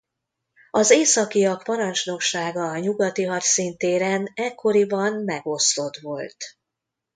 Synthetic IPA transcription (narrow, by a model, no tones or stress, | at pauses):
ɒzeːsɒkijɒkpɒɾɒnt͡ʃno̞kʃaːɡɒɲuɡɒt̪iɦɒrsint̪eːɾɛnɛkʰːo̞ɾibɒnmɛɡo̞slo̞t̪ʋo̞lt̪